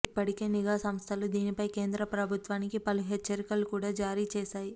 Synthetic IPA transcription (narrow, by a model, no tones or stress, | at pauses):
ipːɐʈike̞ːniɡaːsɐmst̪ʰɐlud̪iːnipɐjke̞ːnd̪ɾɐpɾɐbʱut̪ʋaːnikipɐluɦɛt͡ʃːɐɾikɐlukuːɽaːd͡ʒaːɾiːt͡ʃɛːʃaːji